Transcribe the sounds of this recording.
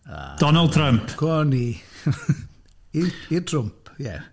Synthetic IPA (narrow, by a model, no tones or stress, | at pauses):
a̰d̥ɔnalˠd̚tʰɾampʰkʰɔɔni | iitʰrʊmpʰjɛ̰